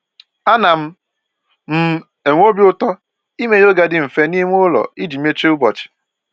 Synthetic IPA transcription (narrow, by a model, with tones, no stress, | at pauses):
a˦na˨m̩˦ | m̩˦ | e˨ŋʷo˦bi˦ʊ˦tɔ˦ | i˦me˨jo˦ɡa˨dɪ˦˨m̩˨fe˦ni˦m˦o˦lɔ̰˨i˦d͡ʒi˨m˦e˦t͡ʃe˦ʊ˦bɔ˨t͡ʃɪ̥˨